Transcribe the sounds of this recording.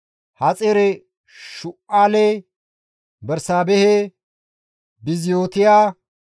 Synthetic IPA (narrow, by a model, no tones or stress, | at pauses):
hɐt͡sʼeɾɛ | ʃʊʔaːlɛ | bɛɾsaːbɛhɛ | bɪzɪjoːt̪ɪjaː